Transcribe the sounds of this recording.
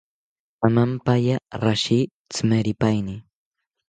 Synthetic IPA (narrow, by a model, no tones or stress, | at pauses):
amampajaɾaʃi | t͡smeɾɪpajnɪ